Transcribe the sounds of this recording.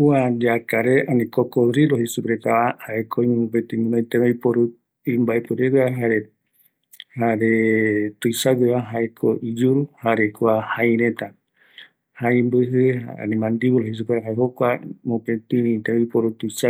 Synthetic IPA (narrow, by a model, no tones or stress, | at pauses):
uad͡ʒakaɾeanĩkokoɾiɾohisupɾet̪aahaekʰoiõpet̪imũnõĩt̪eeipoɾu | imbaʔepɨɾeβaɦaɾe | haɾet̪ujsawɨaɦaekʰoʔid͡ʒuɾuhaɾekuahajɾẽt̪a | haimbɨɦɨha̰a̰nĩmãnd̪iβuɾohis̬upeɾaɦaeɦokʷamõpet̪iĩt̪eeipoɾut̪usa